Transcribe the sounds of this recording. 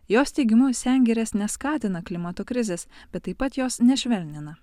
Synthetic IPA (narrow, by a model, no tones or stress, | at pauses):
joːst̪ʲɛɪɡʲɪmʊsʲɛˑŋʲɡʲɛɾʲeːsnʲɛskɑːt̪ʲɪnɐklʲɪmɐt̪oːkɾʲɪzʲeːsb̥ʲɛt̪ːɐɪpɐt̪joːsnʲɛʃʲʋʲɛlʲnʲɪnɐ